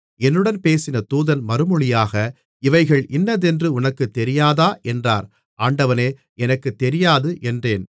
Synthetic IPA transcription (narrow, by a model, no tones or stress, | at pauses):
ɛnːɯɽɐnpeːsɪnɐt̪uːðɐnmɐɾɯmɯɭɪjaːɣɐ | ɪʋɐɪɣɐɭʔɪnːɐðɛndrɯʊnɐkːɯt̪ːɛɾɪjaːðaːʔɛndra̰ːɾ | ʔaːɳɖɐʋɐneː | ɛnɐkːɯt̪ːɛɾɪjaːðɯʔɛndreːn